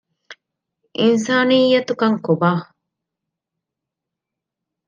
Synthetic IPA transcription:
ʔins̬aːnijːɐt̪ukɐŋkubaː

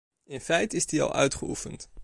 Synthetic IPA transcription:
ɪnfɛjtɪsdiɑ̰lˠʔœ̰ɥtχəufənt

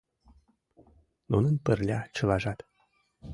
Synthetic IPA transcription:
nunənpərlʲɑt͡ɕɤ̆lɑʒɑt̪

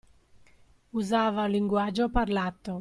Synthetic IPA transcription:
uzaːvaliŋɡwad͡ʒoparlat̪ːo

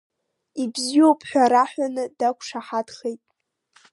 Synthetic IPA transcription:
ibziopʰħʷᶣaɾaħᶣʷanɨdakʷʰʂaħadχejtʼ

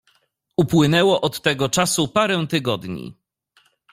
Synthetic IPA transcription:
upwɘnɛwɔʔɔt̪ːɛɡɔt͡ʂasupaɾɛw̃t̪ɘɡɔd̪ɲḭ

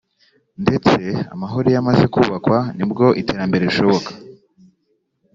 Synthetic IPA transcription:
nde̞t͡se̞a̰maɦoɾojamaze̞kuβakwanibɡo̞ʔiteːɾambe̞ɾe̞iʃo̞βo̞kḁ

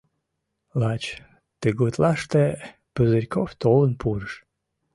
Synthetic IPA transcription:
lˠɑt͡ɕ | t̪əɡot̪lˠɑʃt̪e | pəzəɾʲkoft̪olˠənpʰuɾəʃ

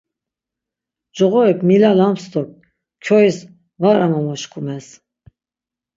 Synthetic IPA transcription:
d͡ʒɔɣɔɛkʰmilalamst̪ɔk̚ | kʰɔis | vaɾamamɔʃkʰumɛs

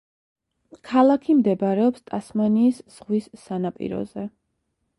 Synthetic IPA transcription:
kʰalˠakʰimd̪ɛbaɾɛɔpst̪ʼasmaniːsz̥ʁwisːanapʼḭɾɔ̰zɛ

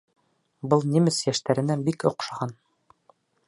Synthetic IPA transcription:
bɤlˠnʲimɘsjæʃt̪æɾɘ̆nænbikŏqʃɑʁɑn

